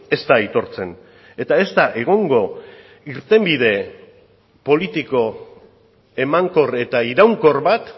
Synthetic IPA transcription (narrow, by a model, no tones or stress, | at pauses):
e̞st̪ait̪o̞ɾt͡se̞n | e̞t̪ae̞st̪aʔe̞ɣ̞o̞ŋɡo̞ | iɾt̪e̞mbið̞e̞ | po̞lit̪iko̞ | e̞maŋko̞re̞t̪aiɾawŋko̞rβat̪